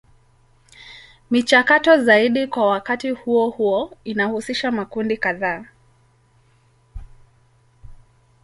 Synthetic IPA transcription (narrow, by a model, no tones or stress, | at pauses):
mit͡ʃakatɔzaiɗikwawakatihuɔhuɔinahusiʃamakundikaðaː